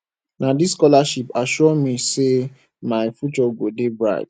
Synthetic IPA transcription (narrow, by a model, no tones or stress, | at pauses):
nadiskɔlaʃipaʃɔɔmĩse | maɪfut͡ʃɔɡodebɹa̰ɪd